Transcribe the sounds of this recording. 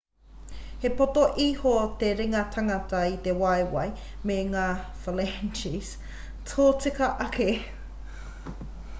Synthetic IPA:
hepot̪oʔihot̪eɾiŋɐt̪ʰɐŋɐtɐit̪ewɐjwɐj | meŋaːfɐlɛnt͡ʃis | tʰoːt͡sikɐʔɐke

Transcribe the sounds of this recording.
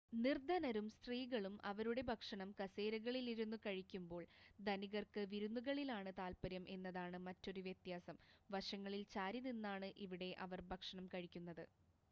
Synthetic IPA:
nird̪ʱɐnɐɾumst̪riːɣɐɭumʔɐ̰ʋɐɾuɽe̞bʱɐkʂɐɳɐmkɐse̞ːɾɐɣɐɭiliɾunːukɐɻikʲːumbo̞ːɭd̪ʱɐniɣɐrkɨʋiɾunːuɣɐɭilaːɳɨt̪aːlpɐɾjɐmʔe̞nːɐðaːɳɨmɐtːo̞ɾuʋjɐt̪jaːsɐmʋɐʂɐŋːɐɭilt͡ɕaːɾininːaːɳɨʔiʋiɽe̞ʔɐʋɐrbʱɐkʂɐɳɐmkɐɻikʲːunːɐðɨ

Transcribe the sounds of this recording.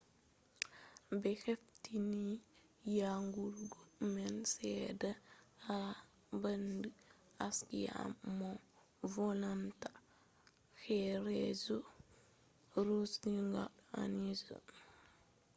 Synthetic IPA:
bɛxeftini | jaŋɡuɾɡɔmɛnsɛdaa | bandi | askija̰mmo | volantḁ | xɛɾɛzo | ɾosniŋɡa̰ɗa̰nizo̰

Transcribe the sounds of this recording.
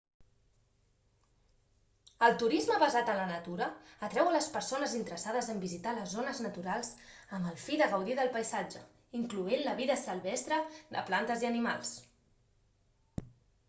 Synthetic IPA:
əlˠt̪uɾizməβəzat̪ənlənət̪uɾəːt̪ɾɛwələspəɾsonəzint̪əɾəsaðəzəmbizit̪aləzonəznət̪uɾalˠz̥əməlˠfiðəɣəwðiðəlˠpəjzad͡ʒə̰ | iŋkluenləβiðəsəlˠβɛst̪ɾəd̪ə̰plant̪əziənima̰lˠs

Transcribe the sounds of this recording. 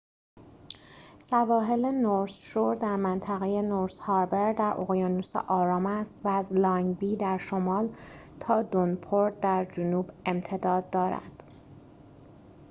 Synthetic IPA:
sævɒːɦe̞lenoɾsʃoɾd̪æɾmænt̪ʰæɣejenoɾshɑːɾbeɾd̪æɾʔo̰ɣjɒːnusḛʔɒːɾɒːmæst̪væːzlɒːŋbiːd̪æɾʃo̞mɒːlt̪ʰɒːd̪onpʰoɾt̪̚d̪æɾd͡ʒonuːbe̞mt̪ʰe̞d̪ɒːd̪ːɒːɾæ̰d̪̥

